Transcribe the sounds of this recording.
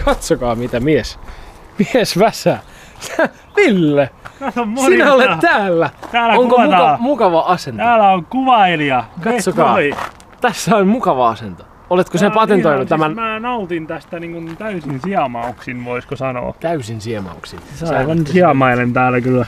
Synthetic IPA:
kʰɑt̪sokɑːmit̪æmies | miesʋæsæː | milːeæsommosinæolett̪æːlːæt̪æːloŋkoɑmukɑʋɑʔɑsent̪æɑːlæokuʋɑiliɑkɑtsokɑː | t̪æsːæonmukɑʋɑɑsent̪o̥ | olet̪kosepɑt̪ent̪oinːut̪t̪æmænmæːnɑut̪int̪æst̪æniŋkunt̪æysinsiɑmɑuksinʋoiskosɑno̰ːt̪æysinsiɑmɑ̰uksinsɑsiʋɑnssiɑmɑilent̪æːlːækylːæ

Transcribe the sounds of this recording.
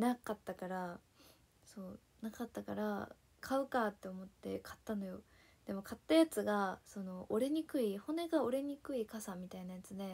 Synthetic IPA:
nakat̪ːakaɾa | so̞ː | nakat̪ːakaɾa̰ | kʰaɯ̟kat̪ːe̞o̞mo̞t̪ːe̞kʰḁt̪ːano̞jo̞ | d̪̥e̞mo̞kʰat̪ːajat͡sɨɡaso̞no̞oɾe̞ɲ̟ikɯ̟iho̞ne̞ɡao̞ɾe̞ɲ̟ikɯ̟ikasamʲit̪ainajat͡sɨd̪e̞

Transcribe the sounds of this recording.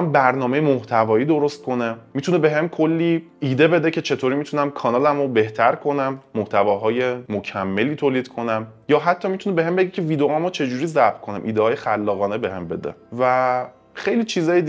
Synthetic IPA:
mbæɾnɒːme̞jemoht̪ʰævɒːjiːd̪oɾost̪̚kʰo̞nemit̪ʰunebe̞ɦemkʰolːiː | iːd̪e̞be̞d̪e̞cʰe̞t͡ʃʰe̞t̪ʰoːɾiːmit̪ʰunæmkʰɒːnɒːlæmobe̞ht̪ʰæɾkʰo̞næmːoht̪ʰævɒːɦɒːje̞mocʰæmːe̞liːt̪ʰoːliːd̪̥kʰo̞næm | jɒːɦæt̪ʰːɒːmit̪ʰunebeɦembeɡecʰe̞viːd̪eɒmot͡ʃʰe̞d͡ʒuːɾiːzæbb̚t̪̚kʰo̞næmʔiːd̪ehɒːjexælːɒːɣɒːnebe̞ɦembe̞d̪ḛvæ | xejliːt͡ʃʰiːzɒːjed̪

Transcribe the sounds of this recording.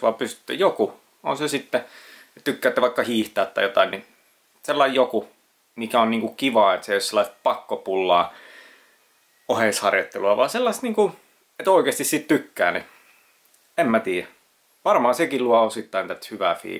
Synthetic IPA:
ʋɑ̰pysy̥t̪ːø̰joku | o̰nsesit̪ːe | t̪ykːæːˑt̪ːeʋɑikːɑhiːht̪ɑːt̪ːɑ̰jot̪ɑinni | selːɑijjoku | mikæonniːŋkukkiʋɑːet̪seijoselːˑɑˑist̪̚pɑkːopulːɑ̰ː | oheshɑrjot̪ːeluɑʋɑ̰ːselːɑst̪niːŋku | et̪oˑikeːst̪issit̪t̪ykːæ̰ːni | emmæt̪iːjæ | ʋɑrmɑhɑsekilluɑosit̪ːɑint̪æt̪hyʋæˑfḭː

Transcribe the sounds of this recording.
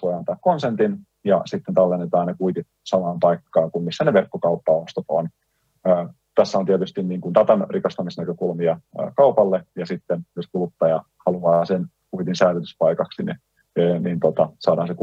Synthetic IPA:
ʋojɑnt̪ɑːkkonsent̪in | jɑsit̪ːent̪ɑlːenːet̪ɑːnnekuit̪it̪sɑmɑːmpɑikːɑːŋkummisːæneʋerkːokɑupːɑost̪ot̪onː | t̪æsːæont̪iet̪yst̪inniːŋkunt̪ɑt̪ɑnrikɑst̪ɑmisnækøkulmiɑ̰kɑupɑlːejɑsit̪ːenjoskulut̪ːɑjɑ | hɑluɑːsen | kuit̪insæːløt̪yspɑikɑksini | nint̪ot̪ɑsɑːdɑːnsek

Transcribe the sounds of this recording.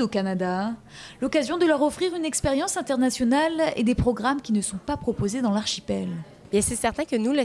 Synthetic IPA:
okanad̪a | lɔkazjɔ̃d̪əlœʁɔfχiʁynɛkspeʁjɑ̃sɛ̃t̪ɛʁnasjɔnalḛd̪epχɔɡʁamkʲinəsɔ̃papχɔpozed̪ɑ̃laʁʃipɛl | bjɛ̃sɛsɛʁt̪ɛ̃kənula

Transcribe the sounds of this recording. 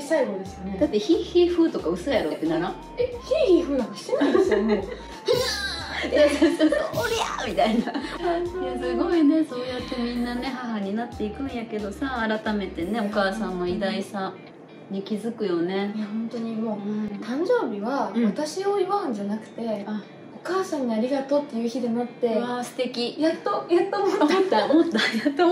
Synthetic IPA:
saiɡo̞d̪e̞sɨned̪at̪ːe̞çiːçiːɸɯ̟ːt̪o̞kaɯ̟sɨjaɾo̞t̪ːenaɾã | eçiːçiːɸɯ̟ːakaɕi̥t̪enãsmo | aksoɾʲia̰mʲit̪ainasojasɨɡo̞ine̞so̞ːjat̪ːe̞mʲĩnːane̞ɦaɦaɲ̟inat̪ːe̞ikɯ̟̃ɰ̃jake̞d̪o̞saːɾat̪ame̞t̪e̞ne̞okaːsãnːo̞id̪aisa | ɲikʲizɨkɯ̟jo̞ne̞jahõ̞nt̪o̞ɲ̟imo̞ːt̪ãɲ̟d͡ʑo̞ːbʲiβaβat̪aɕio̞iβaɯ̟̃ɲ̟d͡ʑanakɯ̟̥t̪e̞a | o̞kaːsãɲ̟ːiaɾʲiɡat̪o̞t̪ːe̞jɯ̟ːçid̪e̞nat̪ːe̞asɨ̥t̪e̞kʲijat̪ːojat̪ːomot̪ːot̪ːamot̪ːajat̪ːo

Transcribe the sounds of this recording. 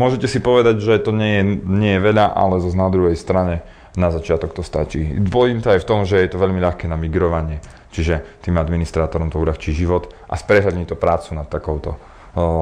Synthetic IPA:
mʊɔʒɛcɛsipɔʋɛd̪aɟʒɛt̪ɔɲɛjɛɲɪɛjɛʋɛʎaʔa̰lɛzaznad̪ɾuɦɛjst̪ɾaɲɛ | nazat͡ʃɪat̪ɔkt̪ɔst̪a̰t͡ʃḭːd̪bɔjiːmt̪ɔajft̪ɔmʒɛjɛt̪ɔʋɛʎmiʎaxkɛːnamiɡɾɔʋaɲɪɛ | t͡ʃiʒɛt̪iːmad̪minist̪ɾaːt̪ɔɾɔmt̪ɔuʎaxt͡ʃiːʒiʋɔt̪ʔa̰spɾɛɦʎad̪ɲit̪ɔpɾaːt͡sunat̪ːakɔʊt̪ɔ

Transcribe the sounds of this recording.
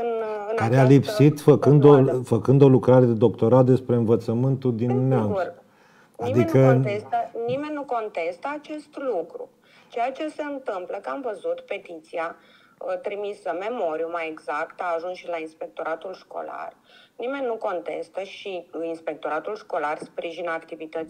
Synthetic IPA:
ɨnɨnkaɾealipsit̪fəkɨnd̪ofəkɨnd̪o̞lukɾaɾe̞d̪ed̪o̞kt̪o̞ɾat̪̚d̪e̞spɾe̞ɨnvət̪səmɨnt̪ud̪imnea | ad̪ikəest̪ənime̞nʲːuko̞nt̪e̞st̪əat͡ʃe̞st̪lukɾṵ | t͡ʃe̞jat͡ʃe̞se̞ɨnt̪ɨmpləkəamvəzut̪pe̞t̪it̪sia | ət̪ɾimisəme̞mo̞ɾijumajeɡzakt̪aːʒunsʃilainspe̞k̚t̪o̞ɾat̪ulʃko̞̰la̰r | nime̞nʲːuko̞nt̪e̞̰st̪əʃiinspe̞k̚t̪o̞ɾat̪ulʃko̞larspɾiʒinakt̪ivit̪ət̪

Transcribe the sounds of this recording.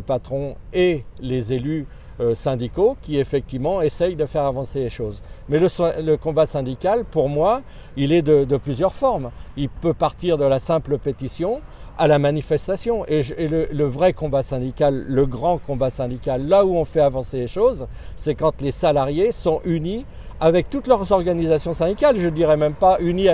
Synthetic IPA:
əpat̪χɔ̃elezely | sɛ̃d̪ikokʲiefɛk̚t̪ivmɑ̃esɛjd̪əfɛʁavɑ̃seleʃozmɛləsləkɔ̃basɛ̃d̪ikʲalpuʁmwa | ilɛd̪əd̪əplyzjœʁfɔʁmilpøpaʁt̪iʁd̪əlasɛ̃pləpet̪isjɔ̃ | alamanifɛst̪asjɔ̃ʔeʒelələvʁɛkɔ̃basɛ̃d̪ikʲalːəɡʁɑ̃kɔ̃basɛ̃d̪ikʲalːauɔ̃fɛavɑ̃seleʃoz | sɛkɑ̃t̪lesalaʁjesɔ̃ʔyni | avɛk̚t̪ut̪lœʁzɔʁɡanizasjɔ̃sɛ̃d̪ikʲalʒəd̪iʁɛmɛmpayni

